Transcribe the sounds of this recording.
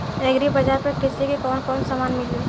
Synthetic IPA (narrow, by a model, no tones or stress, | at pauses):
eɡɾibɐd͡ʒaɾpekɪsikikɔːnkɔːnsamaːnmɪli